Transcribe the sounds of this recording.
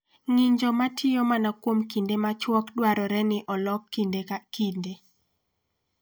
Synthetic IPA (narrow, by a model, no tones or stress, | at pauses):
ŋiɲd͡ʒɔmatʰɪjomanakwomkindemat͡ʃwɔkdwaɾɔɾɛnɪʔɔlɔkːindekinde